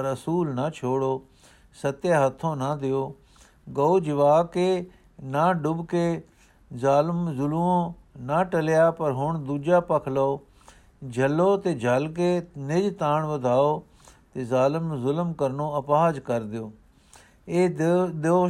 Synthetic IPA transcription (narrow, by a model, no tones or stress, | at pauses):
pəɾəsuːlnət͡ʃʰoːɽoː | sət̪jaːɦət̪ʰːõːnəd̪ɪjoː | ɡəod͡ʒɪʋaːkeː | naːɖʊbkeː | zaːlmzʊlõː | naʈəlɪjaːpəɾɦʊɳ̃d̪uːd͡ʒaːpəkʰloː | d͡ʒʱəloːt̪eːd͡ʒʱəlk̬eːnɪd͡ʒt̪ãːɳ̃ʋəd̪ʱaːoː | t̪eːzaːlɪmzʊlmkəɾnõːəpaːd͡ʒkəɾd̪ɪjoː | eːd̪oː